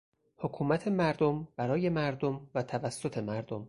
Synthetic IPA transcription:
hokʰuːmæt̪ʰe̞mæɾd̪omb̥æɾɒːje̞mæɾd̪omvæt̪ʰævæsːot̪ʰe̞mæɾd̪om

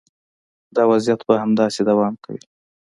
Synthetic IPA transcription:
d̪ɑwazjat̪bahamd̪ɑsed̪awɑmka̰wḭ

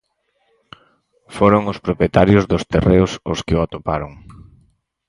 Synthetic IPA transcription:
foɾoŋʊspɾopjet̪aɾjʊzðʊst̪ereʊsʊskɪoat̪opaɾoŋ

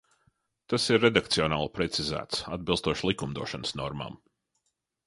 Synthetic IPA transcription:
t̪asiɾːed̪ak̚t̪siɔnaːlˠpɾɛt̪sizæ̰ːt̪sad̪̚bilˠst̪uɔʃlˠikumd̪uɔʃansnɔɾma̰m

